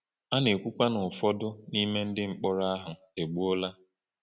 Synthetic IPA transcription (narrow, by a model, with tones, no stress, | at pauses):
a˦ne˨kʷu˦kʷa˦nʊ˨fɔ˦dʊ˦ni˦me˦n̩˦dɪ˦ŋ͡m̩˨k͡pɔ˦ɾa˦ɦʊ˨ | e˨ɡ͡bu˦o˦la˦